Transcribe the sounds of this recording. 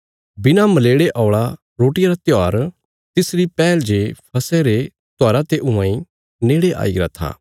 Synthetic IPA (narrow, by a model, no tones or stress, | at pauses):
bɪnamɐleːɽeʔɔːɭa | ɾoːʈɪjaɾat̪jaːɾ | t̪ɪsɾipɛːld͡ʒepʰɐsɛɾe | t̪aːɾat̪eʔʊãːĩ | neːɽeʔa̰ːiɡɾa̰t̪ʰa̰ː